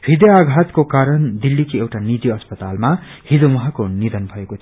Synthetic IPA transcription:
hid̪jaːɡʱat̪kokaɾʌnd̪ilːikiewʈanid̪iʌspʌt̪almahid͡zomʌɦakonid̪ʌnbʱʌeko

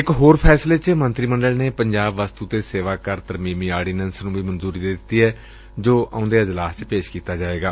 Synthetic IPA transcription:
ɪkɦoːɾpʰɛːsleːt͡ʃmənt̪ɾiːməɳɖəlneːpəɲd͡ʒaːbʋəst̪uːt̪eːseːʋaːkəɾt̪əɾmĩːmiːaːɖiːnɛ̃ːnsnũːbiːmənzuːɾiːd̪ɪt̪ːiːɦɛː | d͡ʒoːʔã̰ːʊ̃nd̪eːɪd͡ʒlaːst͡ʃpeːʃkiːt̪aːd͡ʒaːʋeːɡaː

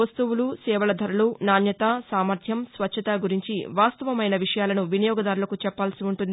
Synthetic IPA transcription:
ɐst̪uwulusɛːʋɐlɐd̪ʱɐɾulunaːnjɐt̪asaːmɐɾt̪ʰjɐmsʋɐtːt͡ʃʰːɐt̪aːɡuɾiɲt͡ʃḭʋaːst̪ɐʋɐmɐjnɐʋiʂɐjaːlɐnuʋinijɔːɡɐd̪aːɾulɐkut͡ʃɛpːaːlsiuɳʈund̪ii

